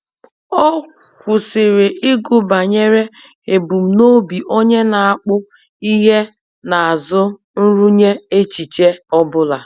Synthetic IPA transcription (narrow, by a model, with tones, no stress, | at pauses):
ɔ˦ | kʷʊ˨sɪ˨ɾɪ˨ʔɪ˦ɡʊ˨ba˨ɲe˦ɾe˦ | e˨bu˨m̩˦no˦bi˨ʔo˦ɲe˦na˨a˦˨k͡pʊ˦ | i˦ɦe˦ | na˨a˨zʊ˦ | n̩˦ɾu˦ɲe˦e˦t͡ʃi˨t͡ʃe˦ɔ˦bʊ˦la˨